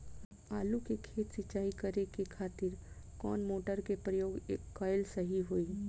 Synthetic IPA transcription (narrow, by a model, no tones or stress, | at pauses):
aːlukekʰeːt̪sɪt͡ʃaːikəɾekekʰaːt̪ɪɾ | kɔːnmoːʈəɾkepɾəjoːɡeːkːɔːjɪlsəɦiɦoiː